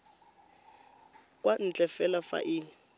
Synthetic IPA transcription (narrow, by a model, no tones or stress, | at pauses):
kʼwan̩t͡ɬʼɛfɛlafa̰ʔɪ